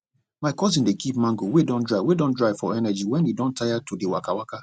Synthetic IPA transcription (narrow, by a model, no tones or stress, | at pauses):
maɪkɔzĩndekip̚mãŋɡowedɔ̃ndɹaɪwedɔ̃ndɹaɪfɔɛnɛd͡ʒiwɛ̃nidɔ̃ntaɪjatudewa̰kawaka